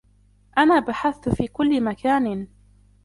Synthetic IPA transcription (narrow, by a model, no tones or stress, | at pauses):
ʔanaːbaħaθt̪fiːkʊlːɪmakaːn